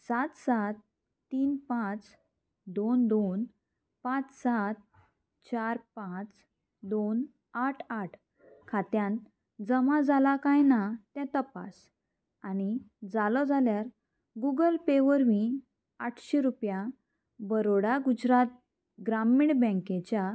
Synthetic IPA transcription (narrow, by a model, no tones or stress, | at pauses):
sat̪sat̪ː | iːnpãt͡s | d̪ond̪on | pãt͡ssat̪̚ | t͡ɕaɾpãt͡s | d̪on | aʈʰaʈʰ | kʰat̪jãn | d͡zəmãd͡zalakajnat̪ɛ̃t̪əpa̰s | añid͡zalɔd͡zaljaɾ | ɡuɡəlpeʋəɾʋĩ | aʈʰɕeɾupjã | bəɾoɽaɡud͡ʑɾat̪̚ | ɡɾamiɳbɛ̃ket͡ɕja